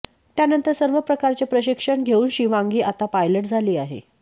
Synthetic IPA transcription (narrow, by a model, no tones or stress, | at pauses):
t̪janənt̪əɾsəɾʋəpɾəkaɾt͡ɕepɾəɕikʂəɳɡʱeuːnɕiʋãŋɡiːʔat̪apajləʈd͡zʱaliːaɦḛ